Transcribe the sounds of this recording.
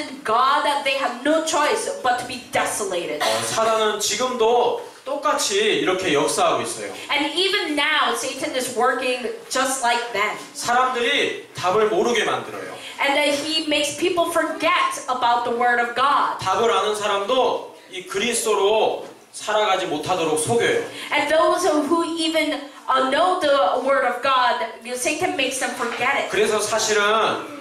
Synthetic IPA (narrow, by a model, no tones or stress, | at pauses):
ɨ̃nɡɑd̪̚ðɨt̪̚ðeɪɨvnoʊt͡ʃʰɔɪsb̥ʌtʰəbidɛsəleɪɾɪdsʰaɾanɯnt͡ɕiɡɯmdo | t͈ok͈at͡ɕʰiːɾʌkʰe̞jʌk̚s͈aɦaɡois͈ʌ̰jo̰ɨ̃nivɨ̃nːaʊseɪɾɨ̃nɪzwɜ˞kɪ̃ŋd͡ʒʌst̚ˡlaɪk̚ðæt̚sʰaɾamdɯɾitabɯɭmoɾɯɡemandɯɾʌ̰jo̰ | ʔɨ̃nðɨt̚himeɪkspʰipl̩ˠfə˞ɡɛɾəbaʊt̪̚ðəwɜ˞ɾʌvɡɑd̥̚tabɯɾanɯnsʰaɾamdo | ikɯɾistoɾo | sʰaɾaɡad͡ʑimotʰadoɾok̚sʰoɡjojo̰ʔɨ̃nðoʊz̥ʌvɦuivɨ̃n | noʊðəwɜ˞ɾʌvɡɑd̚joseɪtɨ̃nmeɪksðɨ̃ɱfə˞ɡɛɾɪt̚kɯɾe̞sʰʌsʰaɕʰiɾɯn